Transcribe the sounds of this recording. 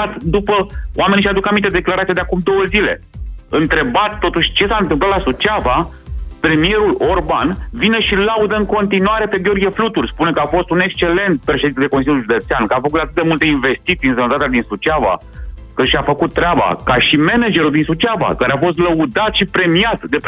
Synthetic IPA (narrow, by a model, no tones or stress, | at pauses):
at̪d̪upəo̰ame̞niʃad̪ukamint̪ed̪eklaɾat̪iad̪eakumd̪o̞wəzile̞̰ | ɨnt̪ɾe̞bat̪t̪ːo̞t̪uʃʲt͡ʃe̞saɨnt̪ɨmplat̪lasut͡ʃava | pɾe̞mije̞ɾulo̞rbanvine̞ʃilaud̪əɨŋko̞nt̪inuwaɾe̞pe̞ɡʲo̞rɡʲijeflut̪urspune̞kəafo̞st̪une̞kst͡ʃe̞le̞nt̪̚pɾeʃed̪ined̪ekosilʲjuliʒud̪e̞t̪seankəafəkut̪at̪ɨt̪̚d̪e̞mult̪e̞inve̞st̪it̪siɨnsənət̪at̪ead̪insut͡ʃava̰ | kɨʃafəkut̪ːɾeaba̰kaʃime̞ned͡ʒe̞ɾuld̪insut͡ʃava̰kaɾeafo̞s̬t̪ləud̪at̪ʃipɾe̞mijat̪d̪e̞p